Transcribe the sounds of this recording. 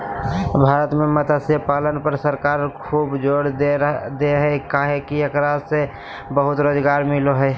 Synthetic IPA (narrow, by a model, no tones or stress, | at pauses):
bʱaːɾət̪mẽmət̪asepaːlənpəɾsəɾkaːɾkʰuːbd͡ʒoːɽd̪eɦɛkaɦekiəkɾaːd͡ʒse | bəɦʊt̪ɾoːd͡ʒɡaːɾmɪloɦɛ